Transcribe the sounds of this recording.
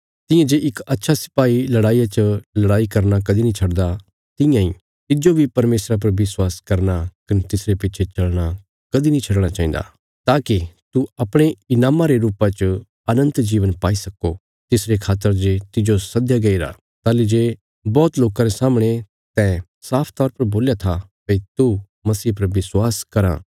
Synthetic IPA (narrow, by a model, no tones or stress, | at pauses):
t̪ɪ̃jãd͡ʒeʔɪkɐtːʃʰasɪ̥paːilɐɽaːijat͡ʃəlɐɽaːikɐɾnakɐd̪inĩt͡ʃʰɐɽd̪a | t̪ɪ̃jãĩ | t̪ɪd͡ʒobʱipɐɾmeːsɾap̬ɐɾʋɪswaːskɐɾnakɐnet̪ɪsɾepɪt͡ʃʰet͡ʃɐlɽ̃a | kɐd̪inĩt͡ʃʰɐɽɽ̃at͡ʃaːĩːd̪a̰ | t̪aːkit̪uɐpɽ̃eɪnaːmaɾeɾuːpat͡ʃ | ɐnə̃nt̪d͡ʒiːʋənpaːisɐkːo | t̪ɪsɾekʰaːt̪ːəɾd͡ʒet̪ɪd͡ʒosɐd̪jaɡɐiɾa̰ː | t̪aːlid͡ʒeː | bɔːt̪loːkãɾesaːmɽ̃e | t̪ɛ̃ | saːpʰt̪ɔːɾpɐɾboːljat̪ʰa | peit̪u | mɐsiːpɐɾʋɪswaːskɐɾã̰ː